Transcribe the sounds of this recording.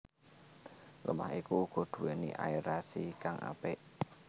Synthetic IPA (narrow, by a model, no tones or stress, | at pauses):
lʔəma̰ɦikuɡ̥o̤d̪̥ṳweniʔa̰iɾasikaŋa̰pɪʔ